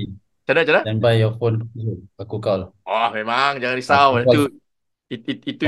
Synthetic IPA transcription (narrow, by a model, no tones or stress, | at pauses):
i | t͡ʃanat͡ʃanaanbajɔfonsuʔakukawlahɔhmemaŋd͡ʒaŋandisawau | iiit̪u